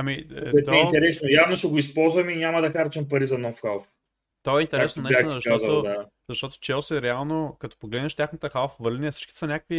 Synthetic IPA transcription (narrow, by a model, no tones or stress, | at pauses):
ɐmiɔɛt̪ɛɛint̪ɛɾɛsnojavnoʃɛɡoispɔlˠzvɐminʲamɐd̪ɐxaɾt͡ʃɛmpɐɾizɐnɔfxalˠf | t̪oɛint̪ɛɾɛsonɛanzɐʃaɔzɐt̪od̪a | zɐʃt̪ɔt̪o̥t͡ʃɛlˠsɛɾɛalˠnokɐt̪o̥poɡlɛd̪nɐʃt̪ʲjaxnət̪əxalˠfvəɾliniɛsi̥t͡ʃkʲi̥sɐnʲakəkvi